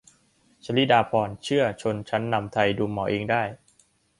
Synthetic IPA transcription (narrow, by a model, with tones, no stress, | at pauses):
t͡ɕʰa˧li˦˥daː˧pʰɔː˧nt͡ɕʰɯ˥˩ɐt͡ɕʰo˧nt͡ɕʰa˦˥nːa˧mt̪ʰa˧jduː˧mːɔː˩˦ʔeː˧ŋdaː˥˩j